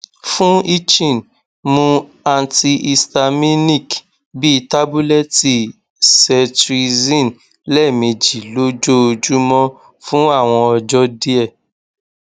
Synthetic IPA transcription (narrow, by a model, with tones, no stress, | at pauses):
fũ˦i˦t͡ʃĩ˦˨n | mũ˧a˧nti˧ʔi˧sta˧mi˦nĩ˦˨k | bi˦i˧ta˦bu˦lɛ˦ti˨ | sɛ˧tɾi˧zĩ˦˨n | lɛ˦˨mĩ˧d͡ʒi˨lo˦d͡ʒo˦o˧d͡ʒu˦mɔ̃˦ | fũ˦a˦˨w̃ɔ̃˧ɔ˧d͡ʒɔ˦di˦ɛ˦˨